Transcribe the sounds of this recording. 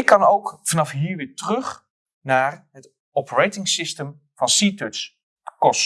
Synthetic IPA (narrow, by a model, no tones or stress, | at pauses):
ɪkːɑnowkfɑnɑfɦiːɹʋɪːɹtrɵχ | naːɹɦət | ɔpəɹejtɪŋsɪstəm | v̥ɑnsitøts | bəkɔs